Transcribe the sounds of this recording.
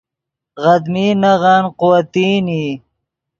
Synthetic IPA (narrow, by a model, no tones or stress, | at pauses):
ɣɐd̪miːnaʁaːnqʊwɐt̪iːni